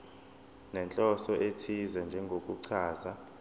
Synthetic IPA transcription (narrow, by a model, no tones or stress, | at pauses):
nɛnt͡ɬʼɔsɔʔetʰizɛnd͡ʒʱɛŋɡʱokʼuǀʰaːza